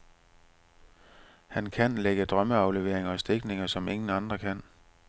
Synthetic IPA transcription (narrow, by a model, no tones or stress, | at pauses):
hænkʰænleɡ̥əd̥ʁɶməɑ̈ʊle̝ʋe̝ɐ̰eŋɐɒ̽sd̥e̝ɡ̥ne̝ŋɐsɒ̽me̝ŋn̩ɑ̈nd̥ʁɐkʰæn̰